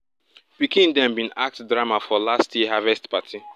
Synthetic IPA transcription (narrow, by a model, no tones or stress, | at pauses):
b̥ikĩndɛ̃mbĩnak̚tdɹamafɔlastʰjiɦavɛstpatʰi